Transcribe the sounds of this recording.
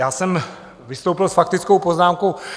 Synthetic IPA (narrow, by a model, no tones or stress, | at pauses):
jaːsɛm | vɪst̪owpɪlsfak̚t̪ɪt͡skowpoznaːmkow